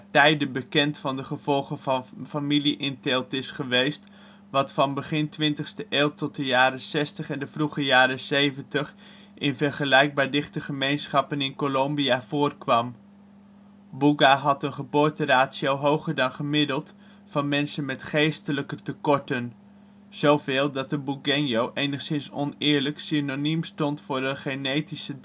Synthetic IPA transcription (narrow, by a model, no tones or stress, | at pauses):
atɛjdəbəkɛntfɑndəχəv̥ɔlˠχənvɑnfamiliʔɪntɪlˠtɪsχəʋejst | ʋɑtfɑnbəχɪntʋɪntəχstəʔeːlˠtɔt̚dəjaːɾəsɛstəχɛndəvruχəjaːɾəsejvəntəχ | ʔɪnvɛɹχəlɛjɡ̚baːɹdɪχtəχəmejnsχɑpənɪnkolombiav̥ʊːrkʋɑm | buɡaɦɑtənχəbʊːɹtəraːtsiowɦowχəɹdɑnχəmɪdəlˠt | fɑnmɛnsənmɛtχejstələkətəkɔɹtən | z̥owvɪːlˠdɑt̚dəbuɡɛnjowʔejnəχsɪnsɔ̰nɪːɹləksinonymstɔntfʊːɹdəχenejtisə